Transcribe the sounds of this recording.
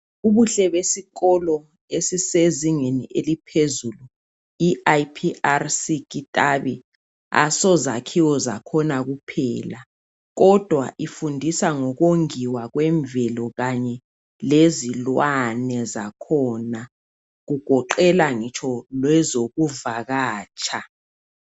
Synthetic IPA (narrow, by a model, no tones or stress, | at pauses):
uβuɬɛβesiɣɔlɔ | esiseziŋenḭʔelipʰezulu | iʔajpʰiʔarsikʼitʼaβi | a̰sɔzakʰiwɔzakʰɔnaɣupʰɛ̰ːla | ɣɔd̥ʱwaʔifundʱisaŋɔɣoŋiwaɣwɛɱvɛlɔɣaɲɛ | lezilwanɛzakʰɔːna | ɣuɡ̥ʱɔǃɛlaŋit͡ʃʰɔlwɛzoɣuvaɣaːt͡ʃʼʰa